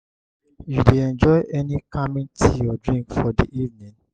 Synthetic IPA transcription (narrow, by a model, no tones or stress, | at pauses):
judeɛ̃nd͡ʒɔɪʔɛnikamĩŋtʰijɔdɹĩŋkfɔdiʔivnĩn